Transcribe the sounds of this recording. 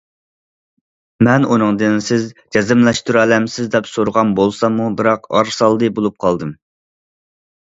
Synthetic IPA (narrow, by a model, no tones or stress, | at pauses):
mɛnunɨŋd̪ɨnsɪzd͡ʒɛzɨmlɛʃt̪uɾuɛlɛmsɪzd̪ɛpsoɾʁɑnbolˠsɑmubɨɾɑqɑ̰ɾsɑlˠd̪ɨbolˠup̚qʰɑlˠd̪ɨm